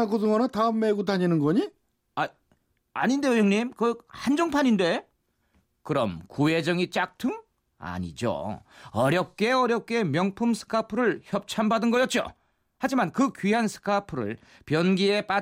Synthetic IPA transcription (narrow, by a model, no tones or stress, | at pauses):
aɡodɯŋʌnɯtaɯmːeɡutaɲinɯnɡʌɲi | a | aɲinde̞ɯjʌŋɲimkɯhand͡ʑʌŋpʰaɲinde̞ | kɯɾʌmkue̞d͡ʑʌŋit͡ɕ͈ak̚tʰɯŋ | a̰ɲḭd͡ʑo̰ʌɾjʌp̚k͈e̞ʌɾjʌp̚k͈e̞mjʌŋpʰumsʰɯ̥kʰapʰɯɾɯɭçjʌp̚t͡ɕʰambadɯnɡʌjʌt̚t͡ɕ͈o̰ | had͡ʑimankɯkɥiɦansʰɯ̥kʰapʰɯɾɯ̰ɭ | pjʌnɡie̞p͈a